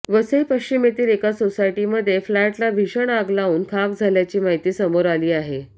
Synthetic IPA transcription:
ʋəsəipəɕt͡ɕimet̪iːɾekasosajʈiməd̪ʱːjeflaʈlaʋʱiɕəɳaɡlauːnkʰak̚d͡zʱaljat͡ɕiːmaɦit̪iːsəmoɾaliːaɦe

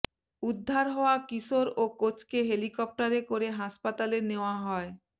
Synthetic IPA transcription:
ud̪ʱːaɾɦɔoakiʃoɾokot͡ɕkeɦelikɔp̚ʈaɾekoɾeɦaʃpat̪aleneoaɦɔe

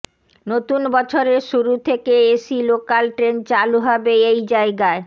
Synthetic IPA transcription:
not̪unbɔt͡ɕʰoɾeɾʃuɾut̪ʰekeeʃilokalʈɾent͡ɕaluɦɔbeejd͡ʑaeɡae

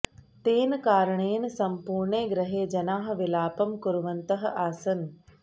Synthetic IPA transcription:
t̪eːnkaːɾəɳeːnɐsɐmpuːɾɳeːɡɾɐɦeːd͡ʒɐnaːɦɐ̆ʋɪlaːpɐmkuɾʋɐnt̪ɐɦɐʔaːsɐn

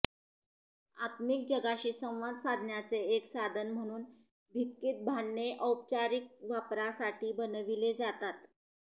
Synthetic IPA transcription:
at̪mik̚d͡ʑəɡaɕiːsə̃w̃ʋad̪sad̪ʱnjat͡seːksad̪ʱənm̤əɽ̃uːn | bʱikːit̪̚bʱaɳːeʔəwp̚t͡ɕaɾik̚ʋapɾasaʈʰiːbənʋiled͡zat̪at̪

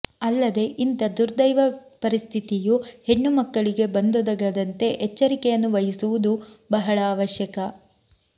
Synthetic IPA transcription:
ɐlːɐd̪e̞ʔint̪ɐd̪uɾd̪ɐjʋɐpɐɾist̪ʰit̪ijuhe̞ɳːumɐkːɐɭiɡe̞bɐnd̪ud̪ɐɡɐd̪ɐnt̪e̞ʔet͡ʃːɐɾikɛjɐnːuʋɐɦisuʋud̪ubɐɦɐɭaːʋɐʃjɐkɐ

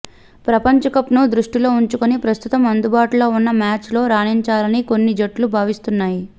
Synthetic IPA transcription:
pɾɐpɐɲt͡ʃɐkɐpnud̪ɾuʂʈilo̞ːuɲt͡ʃukonipɾɐst̪ut̪ɐmɐnd̪ubaːʈulo̞ːunːɐmaːt͡ʃlo̞ːɾaːniɲt͡ʃaːlɐniko̞nːid͡ʒɐʈːlubʱaːʋist̪unːaːji

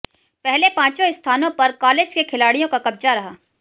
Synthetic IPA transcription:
pɛɦlepãːt͡ʃõɪst̪ʰaːnõpɐɾkaːleːd͡ʒkekʰɪlaːɽijõkakɐb̚d͡ʒaɾɐɦaː

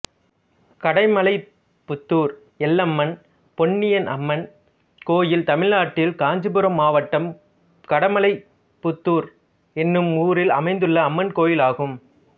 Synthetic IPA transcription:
kɐɽɐɪmɐlɐɪ | pːʊt̪ːuːɾ | ɛlːɐmːɐn | pɔɳːɪjɐnʔɐ̰mːɐn | koːjɪlt̪ɐmɪlnaːʈːɪlkaːɲd͡ʒɯbɯɾɐmːaːʋɐʈːɐm | kɐɽɐmɐlɐɪ | pʊt̪ːuːɾ | ɛnːɯmuːɾɪlɐmɐɪnd̪ɯɭːɐːmːɐnkoːjɪlaːɣɯm

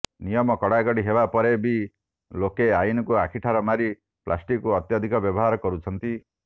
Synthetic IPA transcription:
nijɔmɔkɔɽakɔɽiɦebapɔɾebi | lokeajinɔkuakʰiʈʰaɾɔmaɾi | pla̰sʈikuɔt̪jɔd̪ʱikɔbjɔbɔɦaɾɔkɔɾut͡ʃʰɔnt̪i

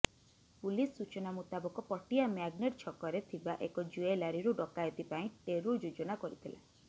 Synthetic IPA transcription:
pulisːut͡ʃɔnamut̪abɔkɔpɔʈiamaɡneʈt͡ʃʰɔkɔɾet̪ʰibaʔekɔd͡ʒuelaɾiɾuɖɔkajɔt̪ipaĩʈeɾud͡ʒud͡ʒɔnakɔɾit̪ʰila̰

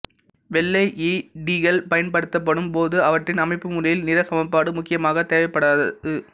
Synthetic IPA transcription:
ʋɛlːɐɪʔiɖiːɣɐlpɐjɐnpɐɽɯt̪ːɐp̬ːɐɽɯmpoːðɯɐʋɐʈrɪnɐmɐɪpːɯmʊlɐjɪlnɪɾɐsɐmɐpːaːɽɯmʊkːɪjɐmaːɣɐt̪eːʋɐpːɐɽaːððɯ

